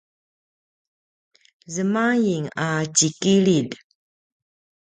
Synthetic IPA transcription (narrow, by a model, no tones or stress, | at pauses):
zəmajiŋat͡ɕikiɭid